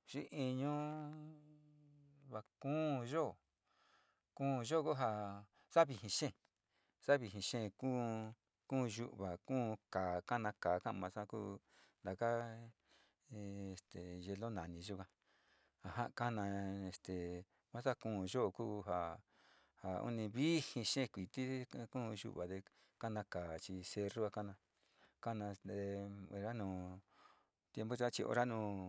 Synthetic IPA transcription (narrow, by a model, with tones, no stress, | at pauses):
ʃi˦ʔi˧ɲõ˦ | βa˨kũː˦˧ʒo˦˨ | kũː˦˧ʒo˦˨ku˦ɦa˧ | sa˦βi˧ɦĩ˧ʃẽ˦˨ | sa˦βi˧ɦĩ˧ʃẽ˦˨ku˦ | kũː˦˧ʒu˧˦ʔβa˨kũː˦˧kaː˨ka˦nã˧kaː˨kã˦˧mã˧sa˦kuː˦ | nd̪a˨ka˦˧ | e˨st̪e˨ʒe˧lo˦nã˨nĩ˧ʒo˦kã˧ | a˨ɦã˦˧ka˦nã˧e˧st̪e˨ | mã˦sa˦˨kũː˦˨ʒo˦˧kuː˦ɦa˧ | ha˨ṵ˦nĩ˧βi˦hĩ˧ʃẽ˦˧kʷi˨t̪i˦kũː˦˧ʒṵ˦ʔβa˨ðe˧ | ka˦nã˧kaː˨t͡ʃi˧se˧ru˦a˧ka˦nã˧ | ka˦nã˧de˧o˧ɾa˦nũː˧˨ | t̪je˧mbo˦t͡ʃa˦t͡ʃi˧ʔo̰˧ɾa˦nũː˧˨